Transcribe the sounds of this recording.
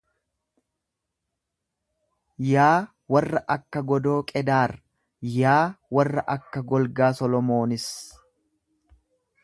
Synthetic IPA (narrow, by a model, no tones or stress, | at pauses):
jaː | wɐrːɐʔɐkːɐɡɔd̪oːkʼɛd̪aːɾ | jaːwɐrːɐʔɐkːɐɡɔlɡaːsɔlɔmo̞ːnɪs